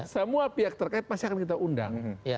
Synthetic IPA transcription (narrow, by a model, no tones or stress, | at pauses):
səmuapiak̚t̪ərkaɪt̪̚pasakankit̪̬aʔunda̰ŋ